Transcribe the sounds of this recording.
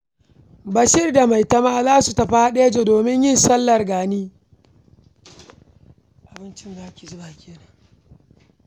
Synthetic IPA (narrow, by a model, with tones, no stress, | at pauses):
bɐ˨ʃɪ˦rda˨ma˨jtɐ˦maː˦zaː˦su˨tɐ˨ɸa˦a˦ɗeː˦d͡ʒeː˨doː˨mɪ˦ɲjɪ˦nsɐ˦lːɐ˨rɡaː˨niː˦ | ʔa˨bɪ˦nt͡ʃɪ˦nzaː˦kʲi˨zʊ˦baː˨kʲeː˦na˨ŋ